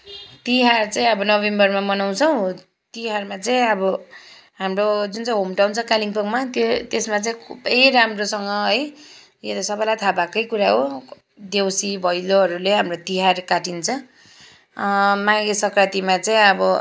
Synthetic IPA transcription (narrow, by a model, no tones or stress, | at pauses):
t̪iɦart͡sãĩʌbʌnʌβembʌrmamʌnaw̃t͡sʰʌw̃ | t̪iɦarmat͡saĩʌbʌ | ɦamrod͡zunt͡saĩɦomʈawnt͡sʰʌkaliŋpʌŋmat̪jot̪esmat͡saĩkʰubejɾamrosʌŋɡʌɦʌj | jet̪ʌsʌbʌjlajt̪ʰabakʌjkuɾaɦo | d̪ewsibʱʌjloɦʌɾuleɦamrot̪iɦarkaʈint͡sʰʌ | maɡesʌkrat̪imat͡saĩʌbʌ